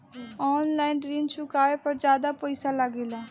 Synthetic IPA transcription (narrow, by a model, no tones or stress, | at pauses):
ɔːnlaːɪnɖɾiːnt͡ʃʰʊkaːepəɾd͡ʒjaːd̪apəɪsaləɡelaː